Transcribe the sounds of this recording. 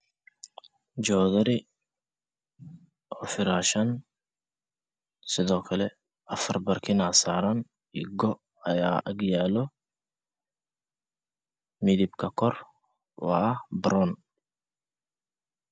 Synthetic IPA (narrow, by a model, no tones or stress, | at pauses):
d͡ʒɔːðɐɾɪ | ʔɔːfɪɾaːʃɐn | sɪðɔːkʰɐlɛ | ʔɐfɐrbɐrkʰɪnaːsaːɾɐn | iɡɔ | ɐjaːʔɐɡjaːlɔ | mɪðɪbkʰɐkʰɔr | wɑ̰ɐhbɾɔn